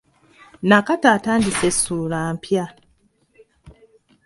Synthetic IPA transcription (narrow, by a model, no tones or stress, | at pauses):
nakataːtaːndisesuːlaːmpja